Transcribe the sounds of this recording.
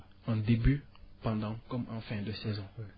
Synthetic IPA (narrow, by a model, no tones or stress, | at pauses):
ɑ̃d̪eby | pɑ̃d̪ɑ̃kɔmʔɑ̃fɛ̃d̪əsɛzɔ̃